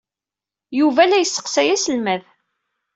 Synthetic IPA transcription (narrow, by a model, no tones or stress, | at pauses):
juvælæjəsːə̥qsæjæsəlmæð